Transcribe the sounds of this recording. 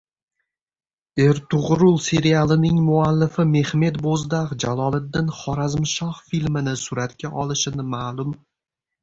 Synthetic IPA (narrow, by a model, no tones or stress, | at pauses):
e̞ɾt̪ʊʁɾʊlˠse̞ɾialˠɪnɪŋmʊalːɪfɪme̞hme̞t̪bozd̪aqd͡ʒalˠɒlˠɪd̪ːɪnχɒɾazmɪʃɒχfilmɪnɪsʊɾat̪kʲʰaʔɒlˠɪʃɪnɪmaːlˠʊm